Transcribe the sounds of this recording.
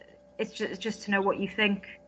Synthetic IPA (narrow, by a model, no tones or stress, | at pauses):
ɪtsd̥ʒ̥ʌsd̥ʒ̥ʌstʰənoʊwɒt͡ʃəθɪ̃ŋk